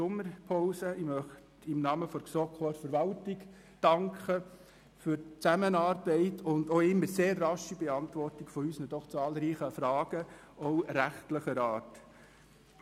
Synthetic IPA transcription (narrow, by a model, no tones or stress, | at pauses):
ʊmːəɾpʰɔʊsəɪmœχtɪmnɑːməfɔksɔkʰɔɾfəɾʋɑltɪɡ | d̥ɑŋkχə | fʏɾt͡sæmənɑːrbɛɪtʰʊndoːɪmːəɾseːrːɑʃibɛɑntʋɔrtɪɡ̥fɔysnəd̥ɔχt͡sɑːlɾiːχəfɾɑːɡ̥ə | ɔʊɾæχtləχəɾɑːrt